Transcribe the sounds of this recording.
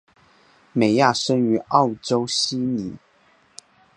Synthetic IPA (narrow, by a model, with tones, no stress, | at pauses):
me˨˩ɪja˥˩ʂə˥ny˧˥ɑ˥˩ʊʈ͡ʂo˥ʊɕi˥ni˨˩˦